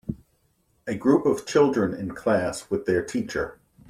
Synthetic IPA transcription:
ɨɡɹupʌv̥t͡ʃʰɪlˠdɹɨ̃nɪ̰̃nkʰl̥æswɨðə˞tʰit͡ʃə˞

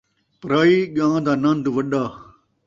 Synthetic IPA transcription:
pɾaːiːɠãːd̪aːnãnd̪uʋɐɗaː

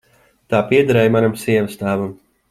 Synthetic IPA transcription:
t̪aːpiɛd̪aɾɛjmanamsiɛvɨst̪aːvam

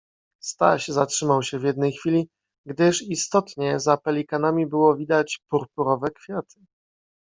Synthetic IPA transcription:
st̪a̰ɕzatʂɘmawɕɛvʲjɛd̪nɛjxfʲilʲi | ɡd̪ɘʂist̪ɔt̪ɲɛzapɛlʲikanamʲibɘwɔvʲid̪at͡ɕpuɾpuɾɔvɛkfʲjat̪ʰɘ̥

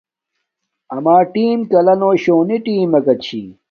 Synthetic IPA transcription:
ɐmaːʈiːmkɐlɐnoːɕoːniʈiːmɐkɐt͡ɕʰḭ

